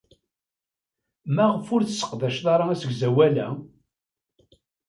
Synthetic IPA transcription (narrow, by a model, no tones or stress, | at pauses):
mæʁəfʊɾθəsːə̥qðæʃðɑɾˤɑæsəɡzæwælæ̰